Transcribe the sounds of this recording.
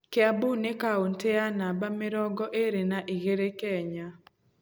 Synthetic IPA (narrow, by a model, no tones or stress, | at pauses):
keabunekaonteanabameɾɔɡɔʔeɾenaʔiɣeɾekɛɲa